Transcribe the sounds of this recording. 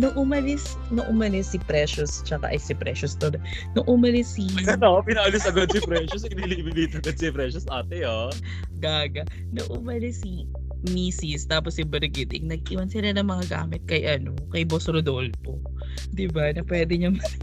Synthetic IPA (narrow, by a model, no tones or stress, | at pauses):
nɐʔʊmɐlɪs | nɐʔʊmɐlɪsːɪpɾɛːʃʊst͡ʃɐka̰ʔɐjsɪpɾɛ̰ʃʊst̪olɐ | nɐʔʊmɐlɪsiɡɐnpɪnɐʔʊlɪsɐɡod̪̚sɪpɾɛʃʊs̬ɪniliːbilit̪ɐɡɐd̪sɪpɾɛʃʊsʔaːt̪ɛo | ɡaːɡɐ | nɐʔʊmɐlɪsːi | miːsɪst̪aːposjɪbɐɾɡɪt̪ɪ̰ŋnɐɡ̚ʔiːwɐnsɪlɐnɐŋmɐŋaɡa̰ːmɪt̪̚kɐjʔɐno̞kɐjbosɾod̪olfo | d̪ɪbanɐpwɛːd̪ɛɲɐŋmɐ